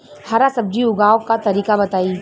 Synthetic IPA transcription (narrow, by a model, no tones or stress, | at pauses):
haɾasɐb̚d͡ʒiʊɡaːokat̪ɐɾiːkabɐt̪aːi